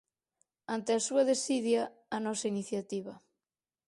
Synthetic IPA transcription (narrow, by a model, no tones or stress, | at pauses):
ant̪easuɐðesiðjaːnɔsɐiniθjat̪iβɐ